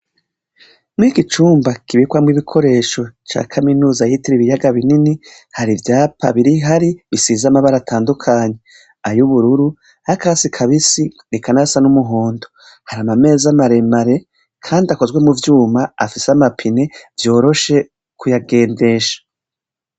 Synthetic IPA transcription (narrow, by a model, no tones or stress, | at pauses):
mŋiːkit͡ʃuːmbakiβikwamŋiβikʰo̞ɾe̞ːʃo̞t͡ʃa̰ːkʰaminuːzahitiɾiβijaɡaβinini | haɾivjaːpʰa̰βiɾiɦaɾiβisiːzamaβaɾatʰaːndukʰaːɲe̞ | ajuβuɾuɾu | hakaːsikʰaβisinikanasanumuɦoːndo | haɾamame̞ːzamaɾe̞maɾe̞ | kʰaːndiako̞zɡwe̞muvjuːmaːfiseamapʰine̞vjo̞ːɾo̞ʃe̞ | kujaɡe̞ːnde̞ʃḁ